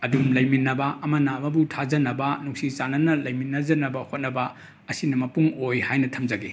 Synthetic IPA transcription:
ɐdumlɐjminːɐbɐɐmɐnɐːmɐbutʰad͡ʒɐnɐbɐnuŋsit͡ʃanɐnɐlɐjminːɐd͡ʒɐnɐbɐhot̚nɐbɐ | ɐsinɐmɐpuŋojhajnɐtʰɐmd͡ʒɐɡi

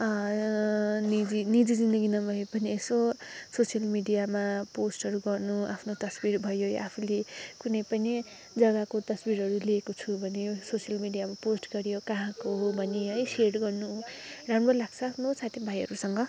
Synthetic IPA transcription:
ʌ | nid͡zinid͡zid͡zind̪ʌɡinʌbʱʌepʌniesososjʌlmiɖijamaposʈʌɾuɡʌrnuapʰnot̪ʌsbiɾbʱʌjojʔapʰulekunʌjpʌni | d͡zʌɡakot̪ʌsbiɾɦʌɾuliekot͡sʰubʱʌnesosijʌlmiɖijamaposʈɡʌɾjokaɦãkoɦobʱʌneʌjserɽɡʌrnuɦɖãmbʌlaɡt͡sʰʌːpʰnot͡sʰat̪ʰibʱajɦʌ̰ɾusʌŋɡʌ

